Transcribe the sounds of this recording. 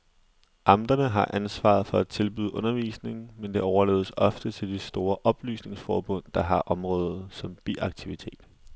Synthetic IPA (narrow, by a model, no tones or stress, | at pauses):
ʔɑ̈md̥ɐnəɦɑ̈ʔænsʋɑ̰̈ðˠfɒ̽æ̥t͡sʰe̝lb̥yð̩ˠʔɔnɐʋḭːsne̝ŋmend̥e̝ɒʊɐlḛːð̞ˠsɒ̽fd̥ət͡sʰe̝ld̥esd̥o̝ːɐʔɒ̽b̥ly̰ːsne̝ŋsfɒːb̥ɔ̽n̰d̥ɑ̈ɦɑ̈ʔɒ̽mʁɔ̽ːðˠsɒ̽mb̥iʔɑ̈ɡ̥t͡sʰiʋit͡sʰe̝̰ːd̥